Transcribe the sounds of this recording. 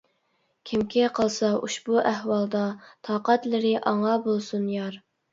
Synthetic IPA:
kʲʰimkʲʰiqʰəlˠsɑʔuʃbuʔæhwɑlˠd̪ɑt̪ʰɑːqɑt̪lɪɾɪʔɑŋɑbolˠsunjɑɾ

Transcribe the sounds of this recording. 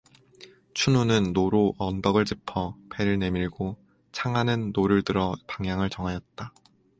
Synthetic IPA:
t͡ɕʰununɯnːoɾoʔʌndʌɡɯɭt͡ɕipʰʌpe̞ɾɯɭne̞miɭɡo | t͡ɕʰaŋɦanɯnːoɾɯɭtɯɾʌpaŋjaŋɯɭt͡ɕʌŋɦajʌt̚t͈a

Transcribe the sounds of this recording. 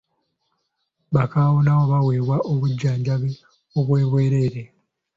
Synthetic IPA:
βakaːwunawo̞βaweːβwaʔoβuɟːaːɲɟaβe | oβwe̞ːβwe̞ːɾe̞ːɾe

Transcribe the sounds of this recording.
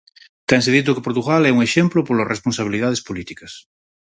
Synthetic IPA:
t̪ɛnseðit̪̬okepoɾt̪uɣalɛuŋeʃemplopolorʔesponsaβiliðað̞espolit̪ikɐs

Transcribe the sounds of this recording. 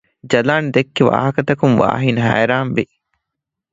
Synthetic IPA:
d͡ʒɐlaːnd̪ekːiʋa̰ːɦɐkɐt̪ɐkumʋa̰ːɦinɐɦæ̰ːɾaːmʋi

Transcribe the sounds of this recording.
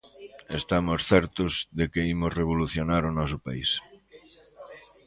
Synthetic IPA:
est̪amosθɛɾt̪ʊzðekeimozreβ̞oluθjonaɾʊnɔs̬ʊpais

